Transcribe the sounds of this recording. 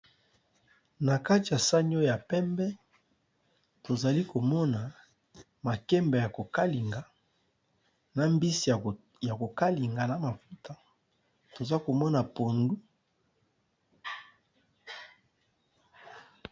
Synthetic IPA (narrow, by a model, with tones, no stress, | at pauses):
na˨ka˦ti˨a˨sa˦ɲ˦o˦ja˨pɛ˦mbɛ˦ | to˨za˨li˦ko˨mɔ˦na˨ | ma˨kɛ˦mbɛ˨ja˨ko˨ka˦li˨ŋɡa˨ | na˨mbi˦si˨ | ja˨ko˨ka˦li˨ŋɡa˨na˨ma˨fu˦ta˦ | to˨za˦ko˨mɔ˦na˨po˨ndu˦